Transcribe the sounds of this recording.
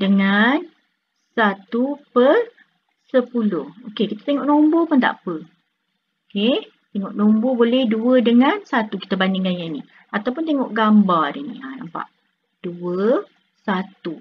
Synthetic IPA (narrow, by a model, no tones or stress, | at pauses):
dəŋan | sat̪upər | səpulʊhokekit̪ə̥t̪eŋɔʔnombopʊnt̪a̰ʔpə | oke | t̪eŋɔʔnombobolɛhduədəŋansat̪ukit̪əbandiŋɡajaini | at̪awpʊnt̪eŋɔʔɡambarrinḭanampa̰ʔ | d̥uə | sat̪u